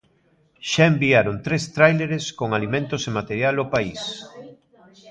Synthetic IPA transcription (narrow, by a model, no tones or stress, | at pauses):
ʃaembiaɾont̪ɾest̪ɾajleɾeskoŋalimẽnt̪ʊsemat̪eɾjalʊpais